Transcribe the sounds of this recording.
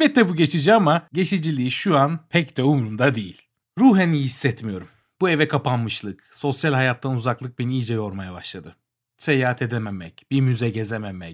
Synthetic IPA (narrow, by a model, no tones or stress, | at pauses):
bɛt̪ːɛbuɟe̞t͡ʃʰid͡ʒiamaɟe̞t͡ʃʰid͡ʒilʲiːʃuanpʰɛcd̪ɛumɾund̪ad̪ejilʲ | ɾuːɦenijhisːɛt̪mijo̞ɾum | buevɛkʰapanmɯʃlˠɯkso̞sjalʲhajat̪ːanuzaklˠɯk̚binijd͡ʒɛjo̞ɾmajabaʃlˠad̪ɯ | sejaɦat̪ʰe̞d̪ememɛcb̥iɾmyzɛɟezememɛc̚